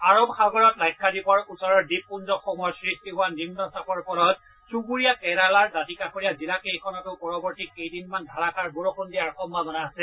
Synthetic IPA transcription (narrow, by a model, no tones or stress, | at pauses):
aɹobxaɡɔɹɔtlajkʰːadipɔɹusɔɹɔɹdip̚punzɔxɔmɔjɔsɹistiɦʊwanimnɔsapɔɹpɔɹɔt̚ | suɡuɹijakɛɾalaɹdatikaxoɹijazilakejkʰɔnɔtʊpɔɹɔbɔɹtikejdinmandʱaɹakaɹboɹɔkundijaɹxɔmbʱabɔnaɦasɛ